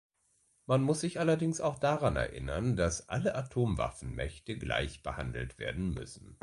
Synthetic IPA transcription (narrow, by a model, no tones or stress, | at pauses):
manmʊsz̥ɪçʔalɐdɪŋsaʊxd̥aʁanɛ̰ɐʔɪ̰nɐndasʔa̰ləʔatʰoːmva̰fn̩mɛçtəɡla̰ɪçb̥əha̰ndl̩tv̥ḛːɐdn̩mʏ̰sn̩